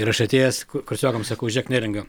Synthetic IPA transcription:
ɪɾɐʃɐt̪ʲeːjɛskkʊɾʲsʲoːkɐmsɐkɐʊʒʲɛːknʲæːɾʲɛɪŋɡɐ

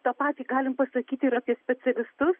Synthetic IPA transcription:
t̪ɐpɑːt̪ʲiːɡɑːlʲɪmpɐsɐkʲiːt̪ʲɪɾɑːpʲiɛsʲpʲɛt͡s̪ʲɛlʲɪst̪ʊs

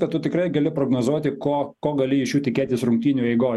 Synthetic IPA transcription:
kɐt̪t̪ːʊt̪ʲɪkrɐɪɡɐlʲɪpɾoːɡnoːzuɔt̪ʲɪkoːkoːɡɐlʲɪɪʃjuːt̪ʲɪkʲeːt̪ʲɪsɾʊŋk̚t̪ʲiːnʲʊɛɪɡoː

